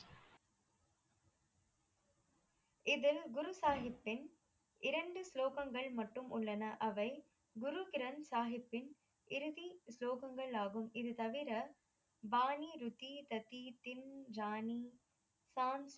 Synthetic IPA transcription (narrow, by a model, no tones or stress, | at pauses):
ɪðɪlɡʊɾusaːɦɪpːɪn | ɪɾɐɳɖɯsloːɣɐŋɡɐɭmɐʈːɯmʔʊɭːɐnɐʔɐʋɐɪ | ɡʊɾukɪɾɐnsaːɦɪpːɪn | ɪɾɯðisloːɣɐŋɡɐɭaːɣɯmɪðɯt̪ɐʋɪɾɐ | baːniɾʊt̪ːit̪ɐt̪ːit̪ɪnd͡ʒaːni | saːns